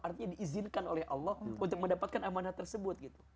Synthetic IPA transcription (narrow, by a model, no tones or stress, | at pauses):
art̪iɲadiʔːzɪnkanolɛhʔɑ̰lːɔhunt̪ʊk̚məndapat̪̚kanʔamanat̪ːərsəbʊt̪̚ɡit̪u̥